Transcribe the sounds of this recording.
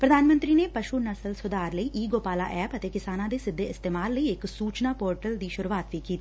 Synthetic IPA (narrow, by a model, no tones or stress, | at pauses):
pɾəd̪ʱaːnmə̃nt̪ɾiːneːpəʃuːnəsəlsʊd̪aːɾləiʔiːɡoːpaːla̰ːʔɛːpət̪eːkɪsaːnãːd̪eːsɪd̪ʱːeːɪst̪eːmaːlːəiɪksuːt͡ʃnaːpoːɾʈəld̪iːʃʊɾuːaːt̪ʋiːkiːt̪iː